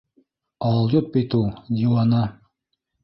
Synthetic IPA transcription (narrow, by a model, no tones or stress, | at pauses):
ɑlˠjot̪̚bit̪ulˠd̪ʲiwɑnɑ